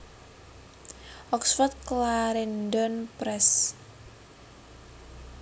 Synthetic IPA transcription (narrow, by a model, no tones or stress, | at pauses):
ʔɔksfɔt̪̚klaɾindɔnpɾɛs